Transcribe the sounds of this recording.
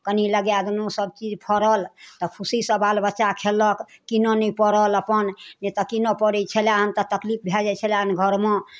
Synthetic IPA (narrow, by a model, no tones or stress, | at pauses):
kəniləɡjad̪nosəb̚t͡ʃid͡ʒpʰəɾəlt̪ɔpʰusisəbalbətːʃakʰeləkkinɔnɛpəɾələpənnet̪ɔkinɔpəɾɛt͡ʃʰəljaɦənt̪ɔt̪əklip̚ʰbʱjed͡ʒɛt͡ʃʰəljaɦnɡʱəɾmẽ